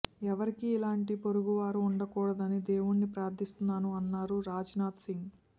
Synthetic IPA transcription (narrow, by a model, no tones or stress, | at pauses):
ɛʋɐɾikiːlaːɳʈipo̞ɾuɡuʋaːɾuːɳɖɐkuːɽɐd̪ɐnid̪eːwuɳːipɾaːɾt̪ʰist̪unːaːnuɐnːaːɾuɾaːd͡ʒnaːt̪siŋɡ